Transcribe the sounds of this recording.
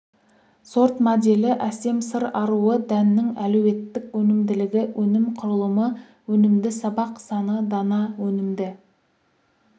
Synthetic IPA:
so̞ɾt̪mod̪e̞lɪʔæse̞msəɾɑɾuəd̪ænːɪŋælɵwe̞t̪ːɪkwɵnɪmd̪ɪlɪɡʲɪwʔɵnɪmqʰʊɾəlˠəmə | wɵnɪmd̪ɪsɑbɑqsɑnəd̪ɑnɑwɵnɪmd̪ɪ

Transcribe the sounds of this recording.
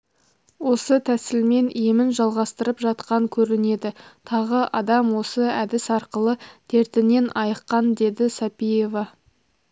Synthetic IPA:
wo̞sət̪ʰæsɪlme̞nʔijmɪnʒɑlˠʁɑst̪əɾəpʒɑt̪qɑŋkʲʰɵɾɪne̞d̪ɪt̪ʰɑʁəʔɑd̪ɑmwo̞səæd̪ɪsɑɾqəlˠət̪ʰe̞ɾt̪ɪne̞nʔɑjəqːɑnd̪e̞d̪ɪsɑpije̞vɑ

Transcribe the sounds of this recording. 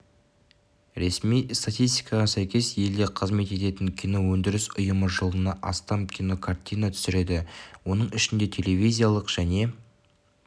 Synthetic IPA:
ɾesmijst̪at̪ijst̪ʲijkɑʁɑsæjkʲe̞sje̞ld̪eqʰəzme̞t̪e̞t̪e̞t̪ɪŋkʲʰino̞wɵnd̪ɪɾɪsʊjəməʒolˠənɑʔɑst̪ɑmkʲʰino̞kʰart̪ʲijnat̪ʰʏ̥sɪɾe̞d̪ɪwo̞nəɴɪʃɪnd̪e̞t̪ʰe̞lʲe̞vʲijzʲijalˠəqʒ̥æne̞

